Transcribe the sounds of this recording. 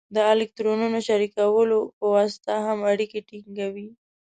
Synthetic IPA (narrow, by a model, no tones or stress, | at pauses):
d̪əɪlɪk̚t̪ɾonunoʃaɾikawəlopəwɑsɪ̥t̪aɦamaɽikeʈiŋɡawi